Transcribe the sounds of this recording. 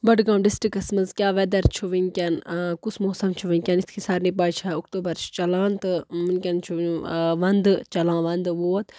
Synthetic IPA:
bɐɖɡãːmɖisʈɾikɐsmɐnzkʲjaːʋɛd̪ɐɾt͡ʃʰuʋiŋkʲɐnkusmoːsɐmt͡ʃʰuʋinʲkʲɐnit̪ʰkʰisaːɾniːp̬aːjt͡ʃʰaukt̪uːbɐɾt͡ʃʰt͡ʃɐlãːnt̪ɨmɨnkʲɐnt͡ʃʰuũʋɐnd̪t͡ʃɐlãːʋɐnd̪ʋoːt̪

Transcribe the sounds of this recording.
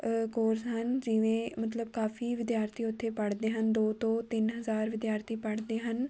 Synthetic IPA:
koːɾsɦənd͡ʒɪʋẽːmət̪ləb̚kaːfʰiːʋɪd̪jaːɾt̪ʰiːʊt̪ʰːeːpəɽd̪eːɦənd̪oːt̪õːt̪ɪnɦəzaːɾʋɪd̪jaːɾt̪ʰiːpəɽd̪eːɦən

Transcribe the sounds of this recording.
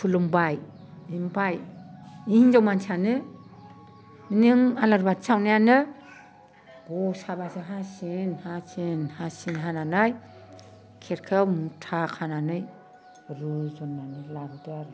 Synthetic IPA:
pʰulumbaj | imbaj | ihiŋzawmansʰanɯ | minɯŋalaɾbatsawnajanɯ | bɔsabasɯɦasenhasenhasinɦananaj | kʰeɾkʰɯwmutʰakʰananɯj | ɾuzɔnːanɯlaɾɯdeaɾɯ

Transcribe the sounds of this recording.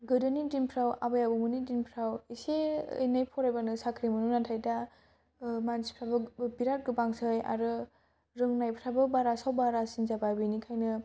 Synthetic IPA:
ɡɯdɯnidinpʰɾawa̰bajabɯmɯnidinpʰɾawiseḛjnajpʰɔɾajbanɯsakʰɾimɯnunatʰajda | mansi̥pʰɾabɯbiɾat̚ɡɯbaŋsɯja̰ɾɯ | ɾɯŋnajpʰɾabɯbaɾasawbaɾasinzabajbɯjnikʰajnɯ

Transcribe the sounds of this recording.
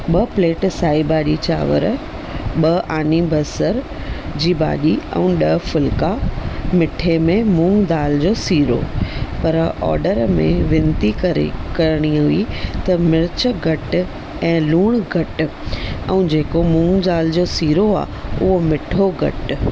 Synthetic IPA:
ɓɐpleːʈsaːibaːʄit͡ɕa̰ːʋə̰ɾ | ɓɐʔaːnibʱɐsəɾ | d͡ʑiːba̰ːʄiɛ̰̃ɗɐfʊlkamɪʈʰemẽmũːŋɡd̪aːld͡ʑoːsiːɾo̰pɐɾɔ̰ːɾɖəɾmḛ̃ʋɪnt̪ikɐɾ̰kɐɾɽ̃iɦʊit̪ɐmɪɾɪt͡ɕəɡʱɐʈ | ɛ̃ːluːɽ̃ɡʱɐʈ̆ | ɛ̃d͡ʑeːkomũːŋɡd̪aːld͡ʑoːsiːɾoa̰ː | ʊɦomɪʈʰoɡʱɐ̰ʈ

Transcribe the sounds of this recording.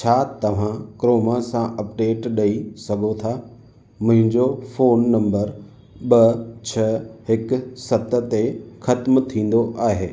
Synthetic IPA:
t͡ɕʰaːt̪ɐʋ̤ãkɾoːmasãʔɐpɖeːʈɗɐisɐɡʱot̪ʰa | mʊ̃ɦɪ̃ɲd͡ʑofoːnːɐ̃mbəɾ | ɓɐt͡ɕʰɐɦɪkʊ̆sɐt̪ə̆t̪exɐt̪mt̪ʰĩːn̆d̪oʔaːɦeː

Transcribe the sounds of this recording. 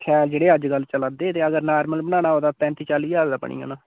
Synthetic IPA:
kʰɛːld͡ʒeːɽeːəd͡ʒɡəlːt͡ʃəlaːd̪eːt̪eːəɡəɾnaːɾməlbəñãːnaːɦoːd̪aːp̪ɛ̃ːnt̪iːt͡ʃaːliːjaːzd̪aːpə̰ɳḭːo̰ːnãː

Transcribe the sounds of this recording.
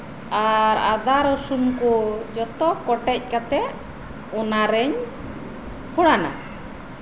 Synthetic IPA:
aɾad̪aɾɔsunkud͡ʒɔt̪ɔkɔʈɛc̚ˀkat̪ɛ | ɔnaɾɛɲ | huɽana̰

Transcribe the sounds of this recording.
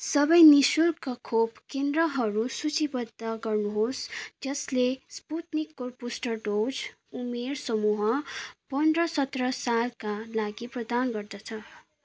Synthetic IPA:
sʌbʌjnisulkʌkʰobkend̪rʌɦʌɾusut͡sibʌd̪ːʌɡʌrnuɦosd͡zʌslesput̪nikːorpusʈʌrɖod͡z | umersʌmuɦʌpʌnd̪rʌsʌt̪rʌsalkalaɡiprʌd̪anɡʌrd̪ʌt͡sʰʌ

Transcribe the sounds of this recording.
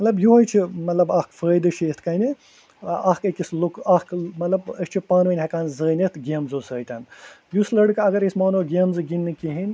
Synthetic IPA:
mɐt̪lɐbjuɦɐjt͡ʃʰimɐt̪lɐbɐhkfəːjd̪ɨʃeːt̪ʰkɐjni | ɐhkekʲislukɐhkmɐt̪lɐbəsʲt͡ʃʰipaːnʋɨnʲɦɐkaːnzəːnit̪ɡemzoːsəːjt̪ʲɐnjuslɐɽɨkɐɡɐɾisʲmaːnoɡʲemzɨɡinːɨkiɦin

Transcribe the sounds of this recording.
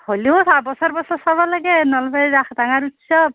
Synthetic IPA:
holiosabɔsɔɹbɔsɔsabɔlaɡɛnɔlbɛzaxdaŋaɹutsɔb̚

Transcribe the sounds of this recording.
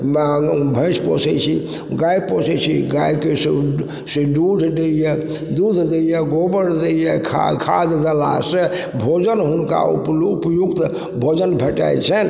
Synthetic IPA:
bʱə̃ɪ̃spɔ̰sɛt͡ʃʰḭ | ɡajpɔsɛt͡ʃʰiɡajkes | siɖud̪ʱɖeje | d̪ud̪ʱd̪ejeɡobəɾd̪ejekʰkʰa̰d̪d̪əla̰se | bʱod͡ʒənɦunka̰ṵpːpjuɡt̪ | bʱod͡ʒənbʱəʈa̰t͡ʃʰɛn

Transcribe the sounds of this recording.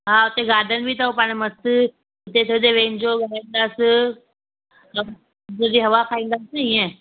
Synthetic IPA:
ɦaːʊt̪eɡaːɖʱənɪ̆bʱit̪aopãːɽ̃məst̪ | ʊt̪et̪ʰjod̪eʋẽːnd͡ʑoɡaːɾĩːnd̪aːs | ɦɐa | d͡ʑod̪iɦɐʋapʰaːĩːnd̪aːsiẽ

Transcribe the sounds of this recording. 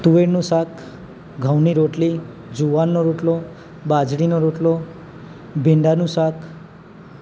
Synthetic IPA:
t̪uʋeɾnusakʰ | ɡʱawniɾoʈli | d͡ʒuwanːoɾoʈlo | bad͡ʒɽinoɾoʈlo | bʱiɳɖanusakʰ

